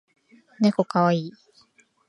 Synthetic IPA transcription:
nekokaβaiː

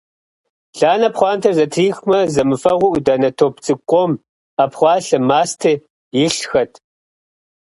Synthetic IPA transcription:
ɮaːnɐpχʷɑːntʰɐrzɐtʰriːxmɐzɐmɨfɐʁʷʊʔdɐnɐtʰoːp̚t͡sʼɨkʷʼɔm | ɐpχʷɑːɬɨmaːstʰe | jɪɬxɐtʰ

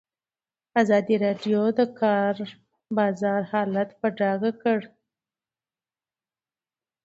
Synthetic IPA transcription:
azɑd̪iɾɑɖjod̪əkʰɑɾ | bɑzɑɾhɑlat̪pəɖɑɡakəɽ

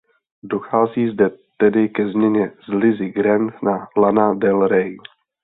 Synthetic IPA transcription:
doxaːziːzdɛt̪ɛdɪkɛzmɲɛɲɛzlɪzɪɡɾɛntnalanadɛlɾɛj

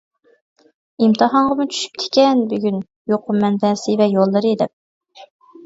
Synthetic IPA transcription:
imt̪ʰɨɦɑɴʁəmut͡ʃʰy̥ʃy̥p̚t̪ʰɪ̥kʲɛnbyɡʲyn | joqʰʊmːɛnvɛsɪvɛjolˠːɨɾid̪ɛp̚

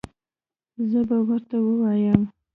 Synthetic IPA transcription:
zəbawəɾt̪awəwajəm

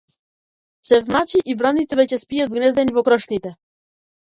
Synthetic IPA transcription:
sɛvnat͡ʃiʔivɾanit̪ɛvɛcɛspijat̪vɡnɛzd̪ɛnivɔkɾɔʃnit̪ɛ

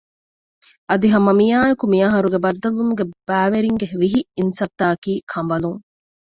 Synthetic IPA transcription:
ʔɐd̪iɦɐmɐmijaːjɐkumijɐɦɐɾuɡebɐd̪ːɐlumuɡeb̥æːʋeɾiŋɡeʋiɦiinsɐt̪ːaːkiːkʰɐmbɐluŋ

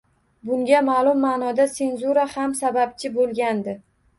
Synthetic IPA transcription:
bʊŋɡʲamaːlˠʊmːaːnɒd̪ase̞nzuɾahamsabap̚t͡ʃʰɪbolɡʲand̪ɪ

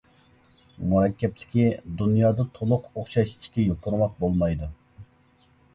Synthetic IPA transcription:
muɾɑkʲʰːɛplɪ̥kʲid̪unjɑːd̪ɑt̪ʰolˠʊqoχʃɑʃi̥ʃkʲɛjoqʰʊɾmɑq̚bolˠmɑjd̪u

